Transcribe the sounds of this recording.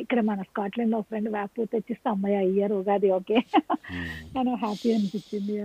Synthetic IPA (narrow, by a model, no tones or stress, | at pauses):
ikːɐɽɐmɐnɐskaːʈleɳɖopʰɾeɳɖʋaːpːut̪ɐt͡ʃːist̪ɐmːɐjaijɐɾoːɡaːd̪ioːkeː | ɐnoɦaːpiɐnupit͡ʃːind̪i